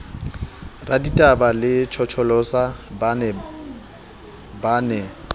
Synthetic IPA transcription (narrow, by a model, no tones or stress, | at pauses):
raditʼabalɪt͡ʃʰɔt͡ʃʰɔlɔsab | baːnɛ